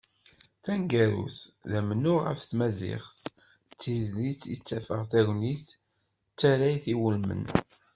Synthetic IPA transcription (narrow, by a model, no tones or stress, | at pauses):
θæŋɡæɾṵθðæmənːʊʁə̰fθmæzɪ̰χθ | t͡sːizlit͡sːḭt͡sːæfə̰ʁθæwniθ | t͡sːæɾæjθiwəlmə̰n